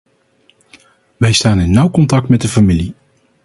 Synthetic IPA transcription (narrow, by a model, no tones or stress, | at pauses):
ʋɛjstaːnɪnːʌwkɔntɑk̚tmɛt̚dəfamili